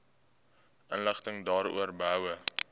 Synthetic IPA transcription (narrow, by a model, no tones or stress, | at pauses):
ʔənləχtəŋdɑːɾṵərbɐwə